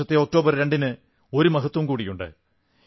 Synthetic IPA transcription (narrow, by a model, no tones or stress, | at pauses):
ɐt̪ːeok̚ʈo̞ːbɐrɾeɳɖinɨ | o̞ɾumɐɦɐt̪ːwɐmkuːɽijuɳɖɨ̰